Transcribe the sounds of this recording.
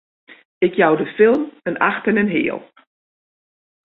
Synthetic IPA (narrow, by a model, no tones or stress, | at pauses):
ɪkjawdəfɪlˠməna̰xtənənɦɪ̰ːlˠ